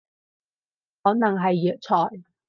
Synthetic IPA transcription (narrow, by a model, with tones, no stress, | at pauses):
hɔː˨˥nɐ˨˩ŋɦɐ˨jːœː˨˧k̚t͡sʰɔː˨˩j